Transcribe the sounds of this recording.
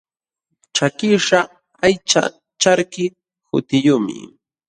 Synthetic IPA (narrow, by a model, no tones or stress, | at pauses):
t͡ʃakɪʂa | ajt͡ʃa̰ | t͡ʃaɾkɪ | hʊ̰t̪ɪjʊmɪ̰